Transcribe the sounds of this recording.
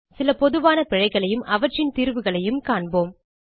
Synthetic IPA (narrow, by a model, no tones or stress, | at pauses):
sɪlɐpɔðɯʋaːnɐpɪɻɐɪɣɐɭɐjɯmʔɐʋɐʈrɪnt̪iːɾʋɯɣɐɭɐjɯmkaːɳboːm